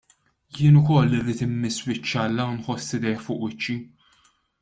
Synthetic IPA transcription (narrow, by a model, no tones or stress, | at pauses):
jɪːnʊkɔlːiɾiːt̪ɪmːɪswɪt͡ʃːɐlːɐwnħɔsːɪd̪ɛjħfʊːʔwɪt͡ʃːi